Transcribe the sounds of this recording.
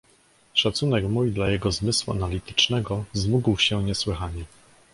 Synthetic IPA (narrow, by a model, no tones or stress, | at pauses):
ʂat̪sun̪ɛkmujd̪lajɛɡɔzmɘswua̰nalʲit̪ɘ̥t͡ʂnɛɡɔzmuɡwɕɛɲɛswɘxaɲɛ